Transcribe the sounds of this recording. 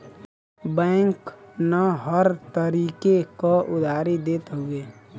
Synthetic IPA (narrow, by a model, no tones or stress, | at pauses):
bɛ̃ːŋknaɦəɾt̪əɾiːkekaʔʊd̪ʱaːɾid̪eːt̪ɦueː